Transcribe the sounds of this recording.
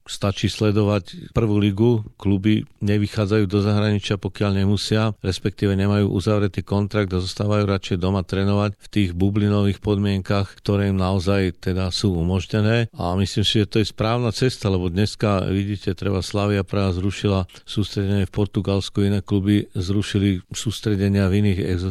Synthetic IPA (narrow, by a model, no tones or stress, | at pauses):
st̪at͡ʃiːslɛd̪ɔʋacpr̩ʋuːliɡuklubiɲɛʋixaːd͡zajuːd̪ɔzaɦɾaɲit͡ʃɪapɔkɪaʎɲɛmusɪaɾɛspɛk̚t̪iːʋɛɲɛmajṵːʔuzaʋɾɛt̪iːkɔnt̪ɾaɡ̚d̪azɔst̪aːʋajuːɾat͡ʃɛjd̪ɔmat̪ɾɛnɔʋacft̪iːɣbublinɔʋiːxpɔd̪mɪɛŋkaxkt̪ɔɾɛːimnaɔzajt̪ɛd̪asuːumɔʒɲɛnɛːa̰misliːmsiʒɛt̪ɔjɛspɾaːʊnat͡sɛst̪alɛbɔd̪ɲɛskaʋiɟiːcɛt̪ɾɛbaslaːʋiapɾaːazɾuʃilasuːst̪ɾɛɟɛɲɪɛfpɔɾt̪uɡalskuinɛːklubizɾuʃilisuːst̪ɾɛɟɛɲɪaviniːɣɛ̰ɡz